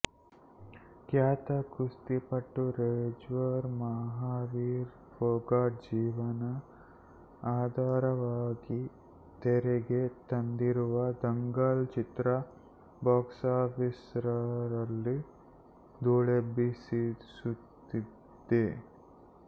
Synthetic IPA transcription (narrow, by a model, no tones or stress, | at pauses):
kjaːt̪ɐkust̪ipɐʈːuɾeːd͡ʒʋɐɾmɐɦaːʋiːɾ | boːɡaːʈ̚d͡ʒiːʋɐnɐ | aːd̪ʱaːɾɐʋaːɡi | t̪eɾeɡet̪ɐnd̪iɾuʋɐd̪ɐŋɡɐlt͡ʃit̪ɾɐ | baːksaːpʰisɾɐɾɐlːi | d̪uːɭebisisut̪ːi | d̪e